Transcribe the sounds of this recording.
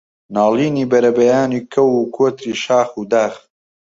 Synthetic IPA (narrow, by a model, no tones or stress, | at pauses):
naːliːniːbɐɾɐbɐjaːniːkʰɐwuːkʰoːt̪ɾiːʃaːxuːd̪aːx